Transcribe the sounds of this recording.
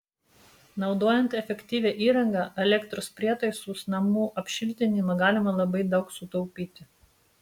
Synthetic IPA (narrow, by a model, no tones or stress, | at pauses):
nɒʊd̪oːjɛnt̪ɛfʲɛkʲt̪ʲiːʋʲɛːʔiːɾɐŋɡɑʔɛlʲɛkt̪ɾospʲɾʲiɛt̪ɐɪsuːsnɐmuːʔɐpʲʃʲɪlʲt̪ʲɪnʲɪmɐɡɑːlʲɪmɐlˠɐbɐɪd̪ɒʊksʊt̪ɔʊpʲiːt̪ʲɪ